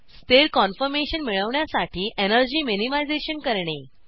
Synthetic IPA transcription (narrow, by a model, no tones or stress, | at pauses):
sst̪eɾkɔnfəɾmeɕənmiɭəʋɳjasaʈʰiːʔenəɾd͡ʑiːminimajd͡zeɕənkəɾɳe